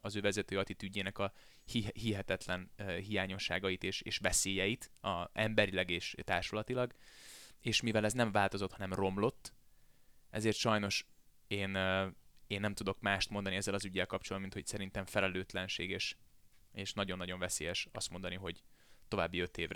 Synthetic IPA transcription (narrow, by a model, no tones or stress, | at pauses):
ɒzøːvɛzɛt̪øːɒt̪it̪yɟːeːnɛkɒ | hiɦiɦɛt̪ɛt̪lɛnɦijaːɲo̞ʃːa̰ːɡɒjit̪eːʃeːʃvɛseːjɛjit̪ɒɛmbɛɾilɛɡeːʃt̪aːrʃolɒt̪ilɒɡ | eːʃmivɛlɛznɛɱvaːlt̪o̞zot̪hɒnɛmro̞mlo̞t̪ː | ɛ̰zeːrt̪ʃɒjno̞ʃ | eːn | eːnːɛmt̪ud̪o̞kmaːʃt̪mond̪ɒniɛzːɛlɒzyɟːɛlkɒp̚t͡ʃolminho̞csɛɾint̪ɛɱfɛlɛløːt̪lɛnʃḛːɡeːʃ | eːʃnɒɟo̞nːɒɟo̞ɱvɛseːjɛʃɒst̪mo̞nd̪ɒniɦo̞ɟt̪o̞vaːbːiø̞t̪eːvrɛ